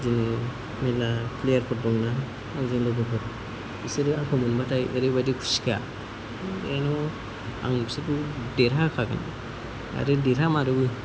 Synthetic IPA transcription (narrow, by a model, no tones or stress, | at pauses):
zini | melapʰlejaɾpʰɔɾdɔŋnaː | wzinlɔbɔpʰɔɾ | isɯɾɯaŋkʰɔmunbatʰajeɾɯbadikʰu̥skʰa̰ | enɔ | a̰ŋsitudeɾakʰaɡa̰na̰ | a̰ɾɯdeɾamaɾɯbɯj